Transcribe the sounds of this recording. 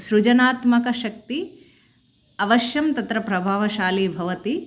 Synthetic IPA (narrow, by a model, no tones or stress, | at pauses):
ʃɾud͡ʒɐnaːt̪mɐkɐʃɐk̚t̪i | ɐʋɐʃjɐmt̪ɐt̪ɾɐpɾɐbʱaːʋɐʃaːlibʱɐʋɐt̪i